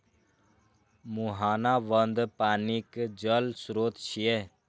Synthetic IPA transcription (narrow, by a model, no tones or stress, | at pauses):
muɦaːnaːʋənd̪paːnikd͡ʒəlsɾoːt̪ʃʰije